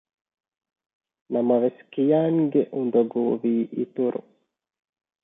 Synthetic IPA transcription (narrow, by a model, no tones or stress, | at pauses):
namaʋeskijaːŋɡeʔund̪oɡuviːʔit̪uɾṵ